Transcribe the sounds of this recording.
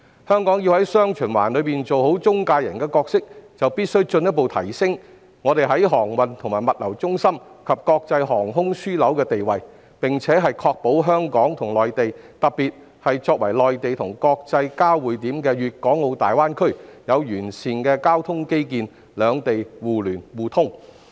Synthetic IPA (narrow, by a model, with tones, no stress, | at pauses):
hœː˥ŋkɔː˨˥ŋjiː˧whɐ˨˥jsœː˥ŋt͡ʃʰyː˨˩nwaː˨˩nlɵ˨˧ɥpiː˨nt͡so˨who˨˥wt͡sʊ˥ŋkaː˧jɐ̰˨˩nkɛː˧kɔː˧k̚sɪ˥k̚t͡sɐ˨wpiː˥t̚sɵ˥ɥt͡ʃɵ˧njɐ˥t̚po˨˧wt̪ʰɐ˨˩jsɪ˥ŋ | ŋɔː˨˧ɾe˨jɦɐ˨˥jɦɔː˨˩ŋwɐ˨nt̪ʰʊ˨ŋmaː˨˩jmɐ˨t̚lɐ˨˩wt͡sʊ˥ŋsɐ˥mkʰɐ˨p̚kɔː˧k̚t͡sɐ˧jɦɔː˨˩ŋɦʊ˥ŋsyː˥lɐ˨˥wkɛː˧t̪e˨jwɐ˨j | pɪ˨ŋt͡sʰɛː˨˥ɦɐ˨jkʰɔː˧k̚po˨˥wɦœː˥ŋkɔː˨˥ŋt̪ʰʊ˨˩ŋlɔː˨jt̪e˨jt̪ɐ˨piː˨t̚ | hɐ˨jt͡sɔː˧k̚wɐ˨˩jlɔː˨jt̪e˨jt̪ʰʊ˨˩ŋkɔː˧k̚t͡sɐ˧jkaː˥wwuː˨˥jt̪iː˨˥mkɛː˧ɥyː˨t̚kɔː˨˥ŋo˨˧wt̪aː˨jwaː˥nkʰɵ˥ɥjɐ˨˧wjyː˨˩nsiː˨nkɛː˧kaː˥wt̪ʰʊ˥ŋke˥jkiː˨˧n | lœː˨˧ŋt̪e˨jwuː˨lyː˨˩nwuː˨˩t̪ʰʊ˥ŋ